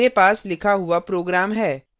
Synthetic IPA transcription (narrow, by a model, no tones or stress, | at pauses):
epaːslɪkʰaɦʊapɾoːɡɾaːmɦɛː